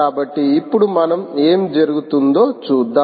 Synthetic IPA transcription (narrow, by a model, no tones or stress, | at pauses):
aːbɐʈːiːpːuɽumɐnɐmeːmd͡ʒɐɾuɡut̪und̪o̞ːt͡ʃuːd̪ːaː